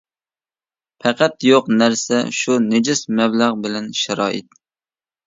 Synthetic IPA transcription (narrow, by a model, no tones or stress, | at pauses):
pʰɛqæt̪joqnæɾsɛ̰ʃuned͡ʒɪsmɛblæʁbɪlɛnʃɛɾɑːʔɪ̰t̪̚